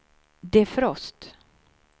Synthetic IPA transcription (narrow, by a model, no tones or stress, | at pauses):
d̪ɛfɾɔst̪